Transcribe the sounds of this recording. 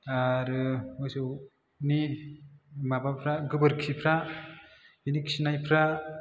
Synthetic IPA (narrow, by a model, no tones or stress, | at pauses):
aɾɯmɔjsɯw | ni | mabapʰɾaɡɯbɯɾkʰipʰɾa | inikʰsinajpʰɾa